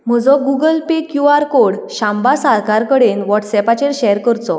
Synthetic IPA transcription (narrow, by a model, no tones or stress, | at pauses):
m̤əd͡zɔɡuɡəlpekjuaɾkoɽɕãmbasaɾkaɾkəɽenʋɔʈsɛpat͡ɕeɾɕɛɾkəɾt͡sɔ